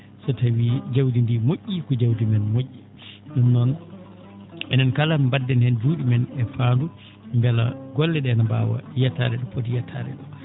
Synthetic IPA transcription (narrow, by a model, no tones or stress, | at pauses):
sɔtawiːd͡ʒawdindimoʔːikɔd͡ʒawdimɛnmoʔːi | nɔnːɔn | ɛnankalambadːɛnhɛnd͡ʒuɗimɛnɛfaːndu | mbɛla̰ɡɔlːɛɗɛnaba̰wa̰jata̰ːɾɛɗɔpotijatʰa̰ːɾɛ̰ɗɔ